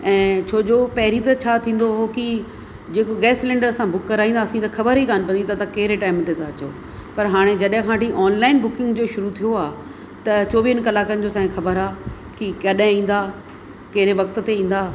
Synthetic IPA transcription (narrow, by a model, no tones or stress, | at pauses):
ɛ̃ːt͡ɕʰoːd͡ʑopɐɦɾit̪ɐt͡ɕʰaːt̪ʰĩːn̆d̪oɦoki | d͡ʑeːkoɡɛːslẽːɳɖəɾsãbʊkːɐɾaːɦĩːnd̪aːsĩt̪ɐxʰɐbəɾɦikaːnpɐ̃nd̪ĩt̪ɐt̪ãkɐɦɪɾeʈaːɪmt̪et̪ʰat͡ɕoː | pɐɾɦaːɽ̃ed͡ʑɐɗɦɪ̃kʰãːʈĩʔɔːnlaːɪnbʊkɪ̃ŋɡd͡ʑoːʃʊɾut̪ʰijoaː | t̪ɐt͡ɕoːʋiɪnkɐlaːkənɪ̆d͡ʑoːsãːĩxɐbəɾaː | kikɐɗɦɪ̃ĩːn̆d̪aː | kɐɦɪɾeʋɐk̚t̪̆t̪eĩːn̆d̪aː